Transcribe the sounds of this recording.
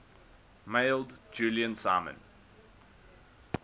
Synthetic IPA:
meɪlˠdd͡ʒuːliə̃nsaɪmə̰̃n

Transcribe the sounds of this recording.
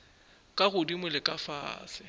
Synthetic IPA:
kʼaɣʊdimwɪlɪkʼafa̰ːsɪ

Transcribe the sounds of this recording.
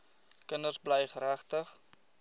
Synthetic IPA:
kənərsbləjχəɾæχtəχ

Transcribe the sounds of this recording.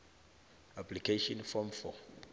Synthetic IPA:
aplikʰeʃɔ̃nfɔmfɔ̰

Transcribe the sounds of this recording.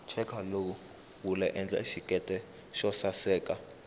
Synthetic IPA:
t͡ʃʰɛkʰalou | wulɛʔɛnd͡ɮa̰iʃikʼɛtʼɛ | ʃɔsasɛːkʼa

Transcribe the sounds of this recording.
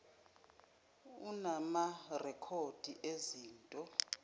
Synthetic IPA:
unamarɛkʰod̥ʱiʔeziːntʼɔ

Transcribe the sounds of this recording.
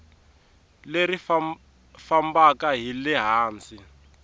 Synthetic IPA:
lerif | fambakaɦilɛɦaːnt͡si

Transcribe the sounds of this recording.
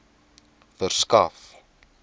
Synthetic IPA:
fərskɐf

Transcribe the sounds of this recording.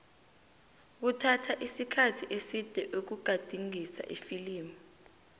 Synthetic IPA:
k̬utʰatʰaʔisikʰatʰiʔesid̥ʱɛʔuk̬uɡ̥ʱad̥ʱiŋisa̰ʔifiliːmɔ

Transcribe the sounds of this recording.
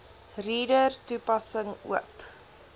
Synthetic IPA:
riːdərtupɐsəŋṵəp

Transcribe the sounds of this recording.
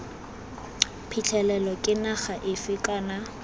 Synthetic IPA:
pʰit͡ɬʰɛlɛlɔkʼɪnaχaʔɪfɪkʼana

